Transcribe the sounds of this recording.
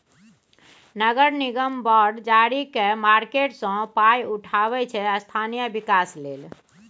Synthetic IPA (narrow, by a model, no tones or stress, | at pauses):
nəɡəɾniɡəmbɔɾɖd͡ʒaɾikemaɾkeʈsɔ̃pajuʈʰabɛt͡ʃʰɛəst̪ʰanijəbikaslel